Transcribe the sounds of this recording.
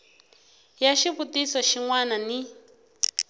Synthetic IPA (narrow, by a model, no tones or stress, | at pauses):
jaʃiβutisɔʃiŋwanani